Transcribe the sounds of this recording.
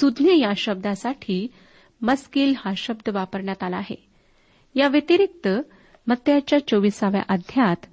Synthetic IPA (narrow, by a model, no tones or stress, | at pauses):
sud̪njəjaɕəb̚d̪asaʈʰiː | məskiːlhãɕəbd̪ʱəʋapəɾɳjat̪alaːɦḛ | jaʋjet̪iɾik̚t̪ə | mət̪jat͡ɕjat͡ɕoʋisaʋja̰ʔəd̪ʱjat̪